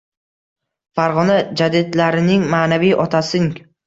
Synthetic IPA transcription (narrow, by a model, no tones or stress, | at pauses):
faɾʁɒnad͡ʒad̪ɪd̪laɾɪnɪŋmaːnavijʔɒt̪ʰasɪŋ